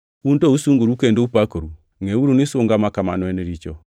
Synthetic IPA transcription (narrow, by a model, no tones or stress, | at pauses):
undɔusuŋɡoɾukɛndoupakoɾu | ŋɛwuɾunisoŋɡamakama̰nwɛnɛɾit͡ʃɔ